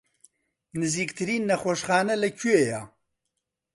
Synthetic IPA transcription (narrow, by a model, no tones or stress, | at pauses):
nɨziːkt̪ʰɨɾiːnːɐxoʃxaːnɐlɐkʰueja